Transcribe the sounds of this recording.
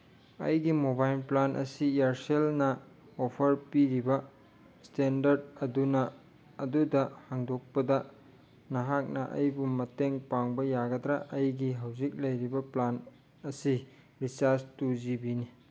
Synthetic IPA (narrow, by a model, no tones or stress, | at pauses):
ɐ̰jɡimobajlplanʔɐ̰sijaɾselnɐ | opʰɐɾpiɾibɐ | stendɐɾd̚ɐdunɐː | dudɐhaŋdok̚pɐdɐ | nɐɦak̚nɐʔɐ̰jbumɐteŋpaŋbɐjaɡɐdɾaʔɐjɡiɦawzik̚lɐjɾibɐplan | ɐsi | ɾisaɾstuzibini